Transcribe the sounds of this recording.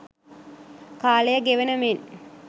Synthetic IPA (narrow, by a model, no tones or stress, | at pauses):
kaːlejəɡeʋenəmen